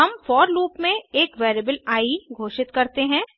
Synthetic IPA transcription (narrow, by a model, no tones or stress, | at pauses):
ɐmfɔːɾluːpmẽeːkʋeːɾeːbəlaːiɡʱoːʃɪt̪kɐɾt̪eɦɛ̃ː